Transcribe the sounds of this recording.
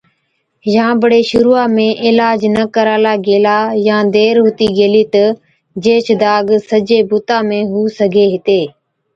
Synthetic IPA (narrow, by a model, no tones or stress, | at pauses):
jãːbəɽeːʃʊɾuːaːmẽːʔɪːlaːd͡ʒnəkəɾaːlaːɡeːlaːjãːd̪eːɾɦʊt̪iːɡeːliːt̪ə | d͡ʒeːt͡ʃd̪aːɡsəd͡ʒeːbut̪aːmẽːɦuːsəɡʱeːɦɪt̪eː